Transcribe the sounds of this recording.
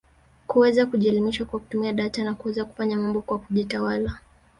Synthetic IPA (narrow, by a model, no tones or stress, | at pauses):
kuwɛzakuʄiɛlimiʃwakwaku̥tumiaɗatanakuwɛzaku̥faɲamambɔkwakuʄitawala